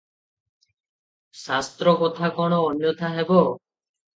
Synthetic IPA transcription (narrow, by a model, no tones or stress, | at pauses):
sast̪ɾokɔt̪ʰakɔɽ̃oːnjot̪aɦebo